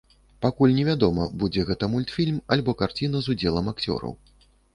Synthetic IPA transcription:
pakulʲnʲɛvʲad̪ɔmɐbud͡zʲɛɣɛt̪ɐmulʲt̪fʲilʲmalʲbɔkart͡sʲinɐzud͡zʲɛlˠɐmakt͡sʲɔ̰ɾɐ̰w

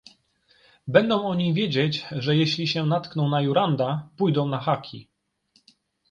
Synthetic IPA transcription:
bɛnd̪ɔ̃w̃ɔɲivʲjed͡ʑed͡ʑʐɛjɛɕlʲiɕɛnat̪knɔ̃w̃najuɾand̪apujd̪ɔ̃w̃naxakʲʰḭ

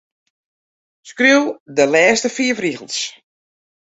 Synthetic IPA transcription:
skruwdəlɛːstəfiəfriɣəlˠs

